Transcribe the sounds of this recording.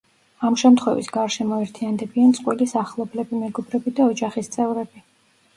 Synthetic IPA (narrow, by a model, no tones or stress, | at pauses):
amʃɛmt̪χwɛvḭsɡaɾʃɛmɔɛɾt̪ʰiand̪ɛbiant̪sʼqʼwilisaχlˠɔblɛbimɛɡɔbɾɛbid̪aɔd͡ʒaχist̪sʼɛvɾɛbi